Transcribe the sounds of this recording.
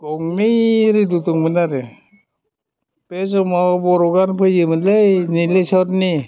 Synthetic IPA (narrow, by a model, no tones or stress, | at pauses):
ɡɔŋmiɾidutuŋmɯnaɾe | pesɔmabɔɾɔɡanpʰɯjɯmɯnlejnilesɔɾni